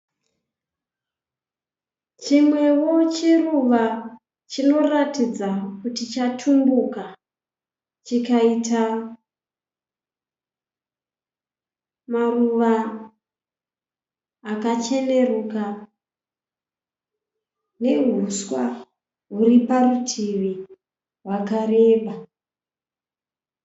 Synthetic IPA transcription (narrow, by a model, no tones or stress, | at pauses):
t͡ʃimwe̞wo̞t͡ʃeruʋa | t͡ʃino̞ratid͡zakutit͡ʃatʰumbuka | t͡ʃikaita | maruʋa | kat͡ʃe̞ne̞ruːka | ne̞ɦuswa | ɦuɾiparutʰiʋi | ɦwakaɾe̞ːɓa